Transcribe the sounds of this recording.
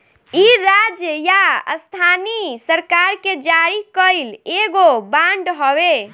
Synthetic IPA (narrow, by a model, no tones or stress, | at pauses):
iɾad͡ʒjəjaə̰st̪ʰanisəɾkaɾked͡ʒaɾikəɪleɡobãɳɖɦɔbe